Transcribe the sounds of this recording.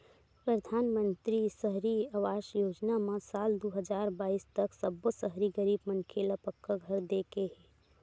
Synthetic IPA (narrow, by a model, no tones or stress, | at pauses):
pɾəd̪ʱaːnmənt̪ɾisəɦɾiaʋaːʃjoːd͡ʒnamasaːld̪oɦəd͡ʒaːɾbaːist̪əksəbːəsəɦɾiɡəɾiːbmənkʰelapəkːaɡʱəɾd̪ekeɦɛː